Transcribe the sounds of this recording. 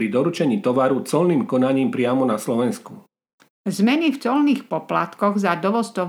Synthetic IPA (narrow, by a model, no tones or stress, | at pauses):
ɾid̪ɔɾut͡ʃɛɲiːt̪ɔʋaɾut͡sɔlniːmkɔnaɲiːmpɾɪamɔnaslɔʋɛnsku | zmɛnift͡sɔlniːxpɔpla̰t̪kɔɣzad̪ɔʋɔst̪ɔ